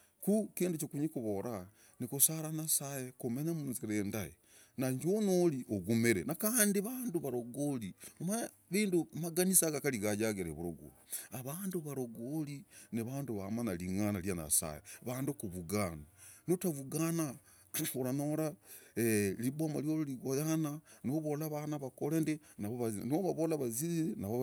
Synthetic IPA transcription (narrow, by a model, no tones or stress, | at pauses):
kukiːndut͡ʃokuɲikuβoɾa | nikusaɾanasajekumeɲamunzɾendajḛ | naɲd͡ʒonoliʔoɡumeɾḛnakaːndiβaːnduβaɾoɡolioma | βiːndumaɡanisaɡakaliɡaɟaɡeɾeβuɾoɡṵ | aβaːnduβaɾoɡolineβaːnduβamanaliŋanaljana̰sa̰jḛβaːndokuβuɡananotaβuɡana | oɾanoɾaelibomaljololiɣojananoβolaβanaβakolende | naβoβanoβaβolaβazizienaβo